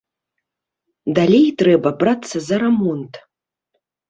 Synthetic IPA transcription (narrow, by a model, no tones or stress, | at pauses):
d̪alʲejtrɛbɐbrat̪sːɐzɐɾɐmɔnt̪